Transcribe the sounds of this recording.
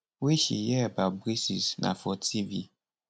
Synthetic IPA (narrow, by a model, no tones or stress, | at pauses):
weʃḭjɛbabɾisisnʔã̰fɔtʰivi